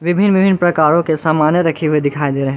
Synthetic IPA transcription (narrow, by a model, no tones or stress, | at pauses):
ʋɪbʱɪnːʋɪbʱɪnːpɾɐkaːɾõkesaːmaːnjəɾɐkʰiʋed̪ɪkʰaːid̪eːɾɐɦɛ̃